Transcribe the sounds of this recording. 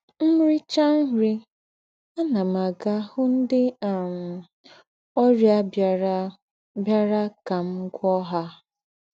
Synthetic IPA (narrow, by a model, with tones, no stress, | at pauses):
m̩˦ɾi˦t͡ʃa˦n̩˦ɾi˦ | a˦na˨ma˨ɡa˦hʊ˦n̩˦dɪ˦a˨m̩˨ | ɔ˦ɾja˦ | bja˦ɾa˦ka˨m̩˦ɡʷɔ˦ɦa˦